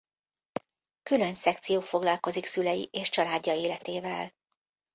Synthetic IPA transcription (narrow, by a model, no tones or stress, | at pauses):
kylø̞nsɛk̚t̪sijoːfo̞ɡlɒlko̞ziksylɛjḭʔeːʃt͡ʃɒlaːɟːɒeːlɛt̪eːvɛ̰l